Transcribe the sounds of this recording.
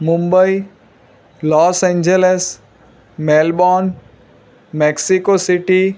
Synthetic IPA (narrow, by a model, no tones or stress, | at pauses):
mʊ̃mbəi | lɔːsẽːɲd͡ʒeles | meːlbɔːn | meksikosiʈi